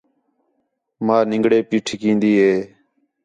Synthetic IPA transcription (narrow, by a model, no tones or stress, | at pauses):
maːnɪ̃ŋɡɽeːpiːʈʰːkĩːnd̪iːɦeː